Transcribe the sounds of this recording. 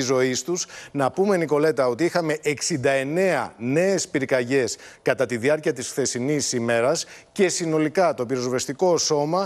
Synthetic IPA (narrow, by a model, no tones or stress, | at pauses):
izo̞ist̪uznɐpume̞niko̞le̞t̪ɐo̞t̪iixɐme̞ʔeksind̪ɐe̞ne̞ɐne̞ːspiɾkɐʝe̞skɐt̪ɐt̪iðiɐɾciɐt̪isθe̞sinisime̞ɾɐsce̞sino̞likɐt̪o̞piɾo̞zvest̪iko̞so̞mɐ